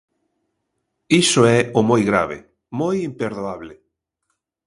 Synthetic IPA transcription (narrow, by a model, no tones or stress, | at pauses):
isoɛomojɣɾa̰β̞ḛ | mojimpeɾðoaβle